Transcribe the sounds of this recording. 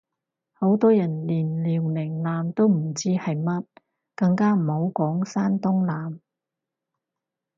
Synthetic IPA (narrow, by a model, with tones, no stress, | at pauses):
ho˨˥wt̪ɔː˥jɐ˨˩nliː˨˩nliː˨˩wlɪ˨˩ŋlaː˨mt̪o˥wm̩˨˩t͡siː˥hɐ˨jmɐ˥t̚ | kɐ˧ŋkaː˥m̩˨˩ho˨˥wkɔː˨˥ŋsaː˥nt̪ʊ˥ŋlaː˨˧m